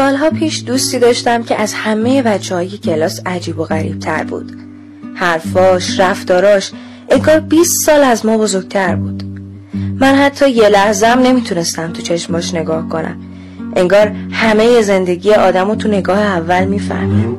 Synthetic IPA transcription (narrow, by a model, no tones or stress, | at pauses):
sɒːlɦɒːpʰiːʃd̪uːst̪iːd̪ɒːʃt̪æmcʰeʔæzhæme̞je̞bæt͡ʃʰːehɒːje̞cʰe̞lɒːsæd͡ʒiːboɣæɾḭːb̥̚t̪ʰæ̰ɾbṵːd̪̥ | hæɾfɒːʃræft̪ɒːɾɒːʃ | ʔe̞ŋɡɒːɾbiːst̪sɒːlæzmɒːbozoɾɡ̥̚t̪ʰæɾbuːd̪̥ | mænhæt̪ʰːɒːje̞læhzeæmne̞mit̪ʰune̞st̪æmt̪ʰut͡ʃʰe̞ʃmɒʃne̞ɡɒːhkʰo̞nʔæ̰m | ʔe̞ŋɡɒːɾhæme̞je̞ze̞nd̪e̞ɟiːjeʔɒːd̪æmot̪ʰune̞ɡɒːheævːælmiːfæ̰hmim